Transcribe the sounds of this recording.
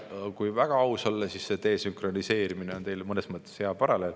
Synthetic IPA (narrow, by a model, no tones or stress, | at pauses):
kujvæɡ̥ɑɑwsolːesisːe̞t̪e̞ːsyŋkro̞nise̞ːɾimineont̪e̞jlmɤnesmɤt̪ˑːesheɑpɑɾɑle̞l